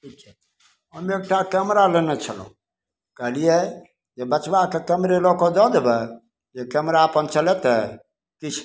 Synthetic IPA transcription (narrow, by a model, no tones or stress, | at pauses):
kikt͡ʃʰ | ɦəmek̚ʈakəmɾalenet͡ʃʰələ̰ũ | kəɦlije | jebət͡ʃbakekəmɾelɔkɔd̪ɔd̪ebɛ | jekɛmɾaəpənt͡ʃəlɛt̪ɛ | kit͡ʃʰ